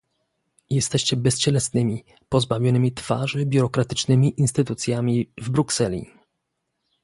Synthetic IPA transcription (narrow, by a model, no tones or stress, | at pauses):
jɛst̪ɛɕt͡ɕɛbɛst͡ɕɛlɛsnɘmʲi | pɔzbavʲjɔnɘmʲit̪fa̰ʐɘbʲjuɾɔkɾat̪ɘ̥t͡ʂnɘmʲiʔinst̪ɘt̪ut̪sʲjamʲivbɾuksɛlʲḭ